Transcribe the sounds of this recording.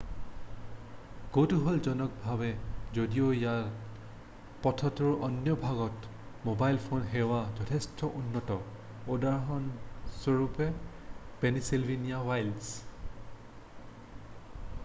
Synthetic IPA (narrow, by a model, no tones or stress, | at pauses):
kowtuɦolzɔnɔk̚bʱabɛzodiojaɹ | pɔtʰɔtɔɹʔɔnjɔbʱaɡɔt | mobajlpʰonɦɛwazɔtʰɛstʰɔʔunːɔtɔ | odaɹɦɔnsɔɹupɛ | penisilbʱinijawajls